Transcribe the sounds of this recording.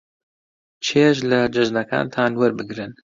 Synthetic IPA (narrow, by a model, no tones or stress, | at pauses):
t͡ʃʰeːʃ̬lad͡ʒɨʒnɐka̰ːnt̪ʰaːnwɐɾbɨɡɾɨn